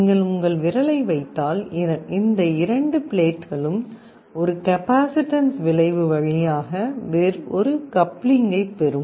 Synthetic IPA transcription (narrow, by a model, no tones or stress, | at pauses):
nŋɡɐɭʊŋɡɐɭʋɪɾɐlɐɪʋɐɪt̪ːaːlɪnd̪ɐɪɾɐɳɖɯpɪɭeːʈɣɐɭɯm | ɔɾɯkɐpaːsɪʈːɐnsʋɪɭɐɪʋɯʋɐɻɐjaːɣɐʋɛɾɔɾɯkɐpːɭɪŋɡɐɪpːɛɾɯm